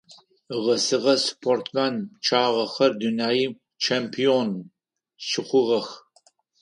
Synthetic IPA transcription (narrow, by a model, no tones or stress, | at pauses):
ʁɐsɨʁɐspʰoːrtʰmaːnt͡ʃʰaːʁɐxɐrdunaːjiː | t͡ʃʰeːmpʰion | ʃɪχʷʊʁɐx